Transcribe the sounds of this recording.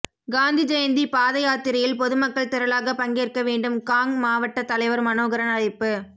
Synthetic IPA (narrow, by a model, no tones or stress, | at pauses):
ɡaːnd̪id͡ʒɐjɐnd̪ipaːðɐjaːt̪ɪɾɐjɪlpɔðɯmɐkːɐɭt̪ɪɾɐlaːɣɐpɐŋɡeːrkɐʋeːɳɖɯmkaːŋmaːʋɐʈːɐt̪ːɐlɐɪʋɐɾmɐnoːɣɐɾɐnɐɻɐɪpːɯ